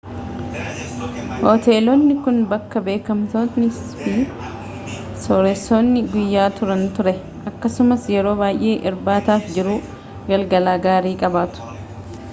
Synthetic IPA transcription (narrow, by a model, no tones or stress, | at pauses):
hoːt̪e̞ːlɔnːɪkʊnbɐkːɐbe̞ːkɐmt̪oːnɪs | piː | soːɾɛsːo̞ːnːɪɡʊjːaːt̪ʊɾɐnt̪ʊɾɛ | ʔɐkːɐsʊmɐsjɛɾo̞ːbaːj̰ʔe̞ːʔɪɾbaːt̪aːfd͡ʒɪɾuː | ɡɐlɡɐlaːɡaːɾiːkʼɐbaːt̪ʊ̥